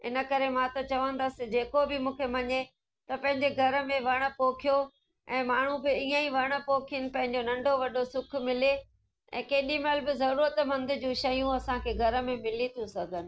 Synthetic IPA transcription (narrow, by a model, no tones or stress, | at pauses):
ɪ̰nə̆kɐɾemãt̪ɐt͡ɕɐʋə̃nd̪əsɪ̆d͡ʑeːkobɪmũːkʰemɐɲe | t̪ɐpɐ̃ɦɪ̃ɲd͡ʑeɡʱɐɾə̆mẽʋɐɽ̃ə̆poːkʰijo | ɛ̃ːmaːɳ̤ũbɪiːaiʋɐɽ̃ə̆poːkʰiənɪ̆pɐ̃ɦɪ̃ɲd͡ʑonɐ̃ɳɖʱoʋɐɗosʊkʰʊ̆mɪle | ɛ̰̃ːkɐːɗĩməlbɪzɐɾuːɾət̪mɐ̃nd̪ʱʊ̆d͡ʑũːʃɐjũɐsãkʰeːɡʱɐɾə̆mẽmɪlit̪ʰũsɐɡʱənɪ̆